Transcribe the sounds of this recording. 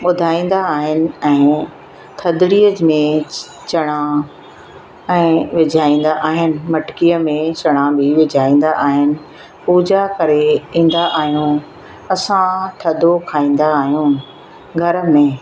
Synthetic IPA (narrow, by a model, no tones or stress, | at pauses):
ɓʊd̪ʱaːĩːn̆d̪aːɦɪnɪ̆ɛ̃ː | t̪ʰɐd̪ɽiːəd͡ʑmẽ | t͡ɕɐɽ̃ã | ɛ̃ːʋɪd͡ʑʱaːĩːn̆d̪aʔaːɦɪnɪ̆mɐʈkijəmẽt͡ɕɐɽ̃ãbʱɪʋɪd͡ʑʱaːĩːn̆d̪aʔaːɦɪnɪ̆ | puːd͡ʑakɐɾeɦĩːn̆d̪aʔaːɦijũ | ɐsãt̪ʰɐd̪ʱokʰaːĩːn̆d̪aːɦijũː | ɡʱɐɾəmẽ